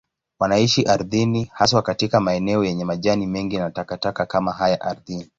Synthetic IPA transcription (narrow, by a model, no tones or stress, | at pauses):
wanaiʃiʔaɾðinihas̬wakatikamaɛnɛɔjɛɲɛmaʄanimɛŋɡianatakatakakamaɦajaʔaɾðini